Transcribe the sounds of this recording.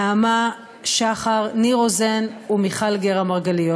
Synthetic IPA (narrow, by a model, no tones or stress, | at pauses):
ama | ʃaχaʁniʁozenumiχalɡeʁamaʁɡalijo